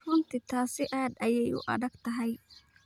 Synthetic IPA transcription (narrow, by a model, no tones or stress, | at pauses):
rʊnt̪ʰɪt̪ʰaːsɪʔaːd̪ɐjɛjʊ̰ʔɐ̰ðɐɡt̪ʰɐɦɛj